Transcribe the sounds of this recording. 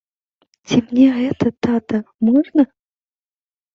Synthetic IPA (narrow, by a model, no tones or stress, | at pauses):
tʰʲɪmnʲeɛt̪ət̪at̪əmɔʐnə